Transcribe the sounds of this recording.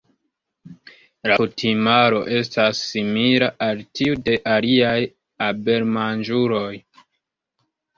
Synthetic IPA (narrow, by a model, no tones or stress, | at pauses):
lakutʰimaɾo̞ʔe̞s̬tasːimilaʔaltiude̞ʔaliaj | abe̞ɾmand͡ʒuɾo̞j